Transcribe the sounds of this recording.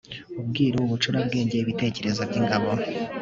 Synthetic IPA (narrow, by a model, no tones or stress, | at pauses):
ub̚ɡiːɾuuβut͡ʃuɾab̚ɡe̞ːɲɟe̞iβite̞ːce̞ɾe̞zabɟiːŋɡaβo